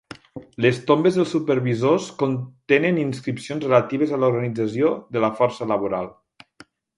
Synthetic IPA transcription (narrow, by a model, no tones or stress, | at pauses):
ləst̪ombezðəlˠsupəɾβizoskont̪enəninskɾipsionzrelat̪iβ̞ezaluɾɣənid͡zəsioðələfɔɾsəlaβ̞oɾalˠ